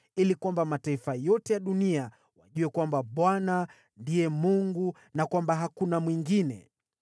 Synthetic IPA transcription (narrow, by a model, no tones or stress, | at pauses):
ilikwambamataifajɔtɛjaɗunia | waʄuɛkwambaɓwana | ndijɛmuŋɡu | nakwambaɦakunamwiŋɡinɛ̰